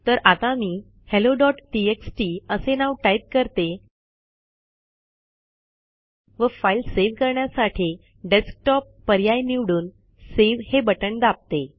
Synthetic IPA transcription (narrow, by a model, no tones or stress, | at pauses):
t̪əɾat̪amiː | heloɖɔʈʈieksʈiəsenaʋʈaip̚kəɾt̪e | ʋəfailseʋkəɾɳjasaʈʰi | ɖesk̚ʈɔpːəɾjajniʋɽuːn | seʋhebəʈəɳd̪ap̚t̪e